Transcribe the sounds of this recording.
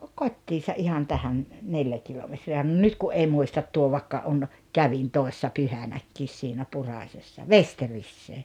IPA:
kotʲːiːsɑ ʔihɑn tæhæn neljæ kilometriæ no nyt kuʔ ʔei muistɑt tuo ʋɑĭkːɑ on kæʋin toi̞sːɑ pyhænækːiːs siːnæ purɑˑsʲesːɑ ʋesterisːeː

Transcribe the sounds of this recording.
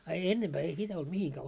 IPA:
ɑ enːemb̥æː ei sitæ olt mihiŋkæː

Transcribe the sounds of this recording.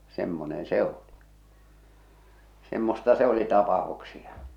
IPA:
semːonen se oli semːostɑ se oli tɑpɑh̆uksiɑ

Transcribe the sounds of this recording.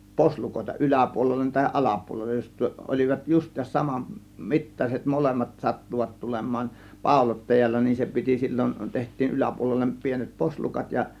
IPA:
poslukoˑe̝tɑ ʔylæpuolelːen tɑhiʔ ʔɑlɑpuolelːej jos olʲiʋɑt justˑiːsɑs sɑmɑn mitːɑset molemːɑt sɑtːuʋɑt tulemˑɑːn pɑˑo̝lotːɑjɑlːɑ nin se piti silʲːon tehtˑiːn ylæpuolelːem pienet poslukɑt jɑ

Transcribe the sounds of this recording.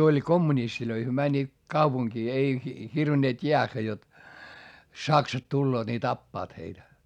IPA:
olʲ komːunistiløi hyø mænʲːiːt kɑupuŋkiː ei hirʋinːeːt jeæxːæ jot sɑksɑt tulːoːt ni tɑpːɑːt heitæ

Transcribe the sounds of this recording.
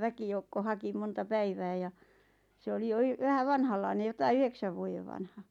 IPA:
ʋækijoukːo hɑki montɑ pæiʋæː jɑ se oli jo y ʋæhæ ʋɑnhɑlːɑine jotɑi yheksæʋ ʋuojeʋ ʋɑnhɑ

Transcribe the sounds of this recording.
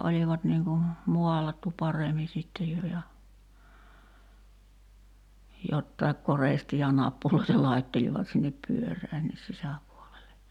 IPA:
ʔoliʋɑt niŋ ku muɑlɑtːu pɑremi sitːe jo jɑ jotːɑe̝k koreˑstiː jɑ nɑpːuloitɑ lɑitːeliʋɑt sinːep pyørˑæːnːis sisæpuolele

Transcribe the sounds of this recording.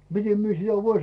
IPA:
mite mie sitæ ʋoin

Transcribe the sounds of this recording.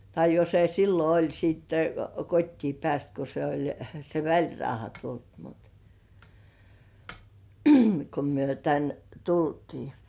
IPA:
tɑi jo se silːo olʲ sitːe kotʲtiː pĕæˑst ko se olʲ se ʋælʲrɑuhɑ tult mut ko myø tæn tultiː

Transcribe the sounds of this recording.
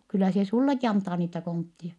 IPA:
kylːæ se sulːeki ɑntɑː niːtæ kontːie

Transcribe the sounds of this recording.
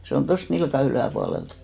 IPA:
se on tost nilkɑ ylæˑpuɑlelt

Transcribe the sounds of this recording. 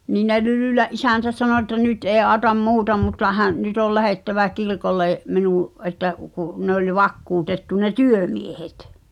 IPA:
niː ne lylyˑlæʔ ʔisæˑntæ sɑno ĕtːæ nyt ʔeː ʔɑːŏtɑm muːtɑ mutːɑ hæʔ nyt ol læheˑtːæʋæ kirkolːeˑ minũːʔ ʔetˑæ ku ne olʲ ʋɑkːuːtetːu ne tyømiehet

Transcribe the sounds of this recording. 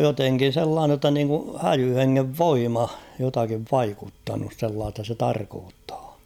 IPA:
joteŋkin̞ selːɑːne tːɑ niːŋku hæjy heŋːeʋ ʋoimɑ jotɑkiʋ ʋɑikutːɑnus selːɑːstɑ se tɑrkoːtːɑ̥ː

